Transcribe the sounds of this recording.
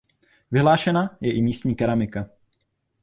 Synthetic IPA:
vɪɦlaːʃɛnajɛʔɪmiːstɲiːkɛɾamɪka

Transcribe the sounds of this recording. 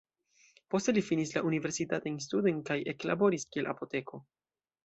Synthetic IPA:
po̞ste̞lifinislaʔunive̞ɾsitatajns̬tudojnkaje̞kla̰bo̞ɾiskie̞lʔa̰po̞te̞ko̞

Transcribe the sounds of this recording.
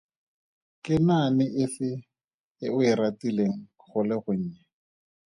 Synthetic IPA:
kɪnanɪʔɪfɪ | ɪʊɪratileŋ̩ | χʊlɪχʊɲ̩ːɲɛ

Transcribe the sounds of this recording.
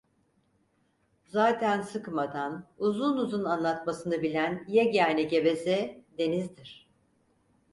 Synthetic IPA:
zaːt̪ʰænsɯkmad̪anuzunuzunanlˠat̪masɯnɯbilʲænijɛɟaːnɛɟe̞be̞zɛd̪e̞nizd̪iɾ̥

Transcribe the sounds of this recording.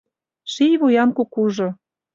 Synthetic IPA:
ʃijβojɑmkukuʒŏ

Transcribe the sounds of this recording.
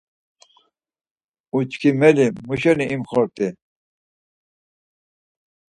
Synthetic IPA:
ut͡ʃkʰimɛlimuɕɛniʔimxɔɾt̪i

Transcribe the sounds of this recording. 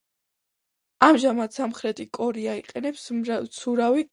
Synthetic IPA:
amʒamat̪samχɾɛt̪ʼikʼɔɾiaiqʼɛnɛpst̪sʰuɾawi

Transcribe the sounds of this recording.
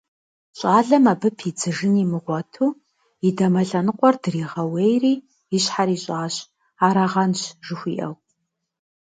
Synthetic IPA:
ɕʼaːɮɐmabɨpʰid͡zɨʒɨniːmɨʁʷɔtʰuː | idɐmɐɬɐnɨqʷʼɔrdɨriːʁɐwejriː | ɪɕħaɾiːɕʼaːɕ | aːɾɐʁɐnɕʒɨxʷiːʔɐ̰w

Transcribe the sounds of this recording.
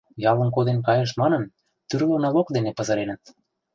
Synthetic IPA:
jɑlə̆nkod̪enkɑjɤ̆ʃ̬mɑnɤ̆n | t̪yrlønɑlokd̪enepɤ̆zɤ̆ɾenə̆t̪

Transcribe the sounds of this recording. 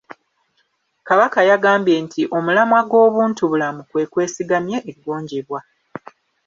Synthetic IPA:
kaβakajaɡaːmbje̞ntʰiʔo̞mulamwaɡo̞ːβuːntuβulamukwe̞ːkwe̞ːsiɡamje̞ʔeɡːoːɲɟeβwa

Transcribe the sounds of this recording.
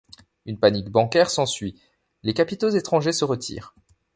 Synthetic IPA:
ynpanikbɑ̃kʲɛʁsɑ̃sɥi | lekapit̪ozet̪χɑ̃ʒesəʁət̪ʰḭːʁ

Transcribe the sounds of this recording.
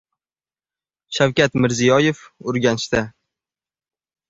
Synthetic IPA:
ʃawkʲat̪mɪɾzijɒjefʊɾɡʲanɪʃt̪a

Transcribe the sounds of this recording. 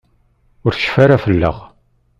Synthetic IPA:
ʊɾθʃə̥faɾafəlːə̰ʁ

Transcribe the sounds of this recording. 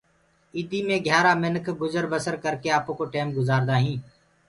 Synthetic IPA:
iːd̪iːmẽːɡʱjaːɾaːmɪnəkʰɡʊzəɾʋəsəɾkəɾkeːaːpõːkoːʈeːmɡʊzaːɾd̪aːɦĩː

